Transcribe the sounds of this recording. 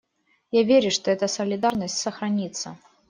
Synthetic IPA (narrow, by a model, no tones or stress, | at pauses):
javʲeɾʲʊʂt̪oɛt̪əsəlʲɪd̪arnəsʲtʲsəxɾɐnʲit̪sːə